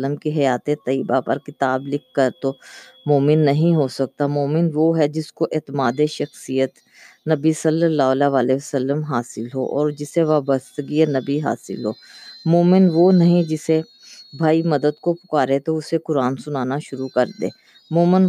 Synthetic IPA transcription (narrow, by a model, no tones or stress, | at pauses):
ləmkiɦɐjaːt̪et̪ɐiːbapɐ̰ɾkɪt̪aːblɪkːɐɾt̪o | moːmɪnːɐɦĩɦosɐk̚t̪amoːmɪnʋoɦɛd͡ʒɪskoʔeːt̪maːd̪eʃɐxsijət̪ | nɐbisɐlːəlːaːɦlaʋaːleəsəlːəmɦaːsɪlɦoʔɔ̰ːɾd͡ʒɪseʋaːbəst̪əɡienɐbiɦa̰ːsɪ̰lɦoːmoːmɪnʋonɐɦĩd͡ʒɪse | bʱaːimɐd̪əd̪kopʊ̥kaːɾet̪oʊsekʊɾaːnsʊnaːnaʃʊɾukɐɾd̪ḛ̃ː | moːmɪn